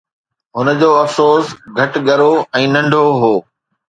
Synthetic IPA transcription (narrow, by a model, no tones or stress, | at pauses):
ɦʊnə̆d͡ʑoːɐfsoːsɡʱɐʈɠɐɾoɛ̃ːnɐ̃ɳɖʱoɦoː